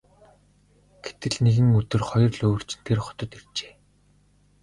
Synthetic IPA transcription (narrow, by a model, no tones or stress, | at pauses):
ɡ̥et̪ɘ̆ɮneɣɘ̆ŋɵt̪ɵ̆rχɔjɞ̆rɮoːr̥t͡ɕɪ̆nt̪ʰerχʊ̥t̪ɞ̆t̪er̥t͡ɕe̥ː